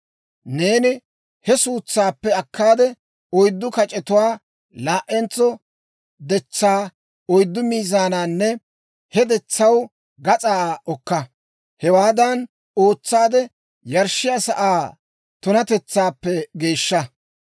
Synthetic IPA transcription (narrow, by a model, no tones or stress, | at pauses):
neːnɪ | hɛsuːt͡sːaːpːɛɐkːaːd̪ɛ | ɔjd̪ːʊkɐt͡ʃʼɛt̪ʊwaː | laːʔɛnt͡sːɔ | d̪ɛt͡sːaː | ɔjd̪ːʊmiːzaːnaːnːɛ | hɛd̪ɛt͡sːɐw | ɡɐt͡sʼaːʔɔkːɐ | hɛwaːd̪ɐn | o̞ːt͡sːaːd̪ɛ | jɐɾʃːɪjasɐʔaː | t̪ʊnɐt̪ɛt͡sːaːpːɛɡe̞ːʃːɐ